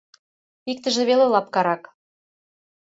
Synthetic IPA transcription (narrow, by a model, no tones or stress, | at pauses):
ik̚t̪ə̆ʒĕβelelɑp̚kɑɾɑk